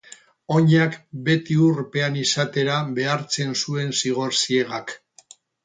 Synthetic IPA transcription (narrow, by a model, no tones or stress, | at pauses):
o̞ɲakbe̞t̪iuɾpe̞anisat̪e̞ɾaβe̞aɾt͡se̞nsue̞nsiɣ̞o̞ɾsieɣak